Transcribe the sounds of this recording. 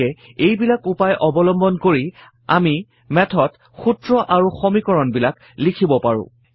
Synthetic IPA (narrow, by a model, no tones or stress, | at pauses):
ɛejbilakupajʔɔbɔlɔmbɔnkoɹi | a̰mi | mɛtʰɔt | xutɹɔʔaɹuxomikɔɹɔnbilak | likʰibɔpaɹʊ̰̃